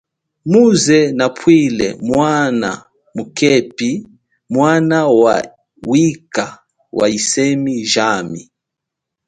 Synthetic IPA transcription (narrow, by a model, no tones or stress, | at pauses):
muzɛnapʰwilɛ̰mwana̰ | mukɛpi | mwanawa̰ | wika | wa̰isɛmiʒami